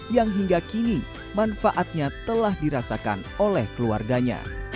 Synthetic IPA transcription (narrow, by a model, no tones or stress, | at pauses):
jaŋɦiŋɡakini | manfaʔat̪̚ɲat̪əlahdiɾasaka̰nolɛhkəlua̰rɡaɲa̰